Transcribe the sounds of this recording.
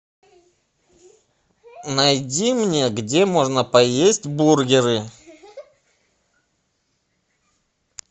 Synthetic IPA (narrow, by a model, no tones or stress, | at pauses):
nɐjdʲimnʲeɡdʲe̞mo̞ʐnəpɐjesʲtʲburɡʲɪɾɨ